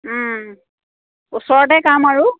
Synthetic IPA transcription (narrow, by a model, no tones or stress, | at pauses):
usɔɹɔʈɛkamaɹu